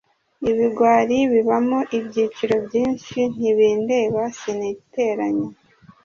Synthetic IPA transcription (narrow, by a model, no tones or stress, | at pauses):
iβiɡwaːɾiβiβamoʔibɟiːt͡ʃiɾo̞bɟiːnʃin̥iβiːnde̞ːβasiniite̞ːɾaɲo